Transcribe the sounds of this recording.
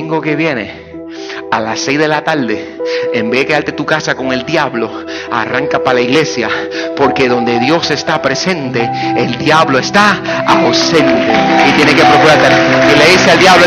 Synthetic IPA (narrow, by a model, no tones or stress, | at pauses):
ŋɡo̞ke̞βje̞ne̞̰ | alase̞jzðe̞lat̪aɾd̪e̞ | embeðekealt̪e̞t̪ukasako̞ŋe̞ld̪jaβlo̞ | a̰raŋkapalaiɣle̞sjapo̞ɾke̞ðo̞nd̪e̞ðjo̞se̞st̪apɾe̞se̞nt̪eːld̪jaβloe̞st̪aawsẽ̞nt̪eit̪je̞neke̞pɾokuɾaɾt̪aileðiseald̪jaβlo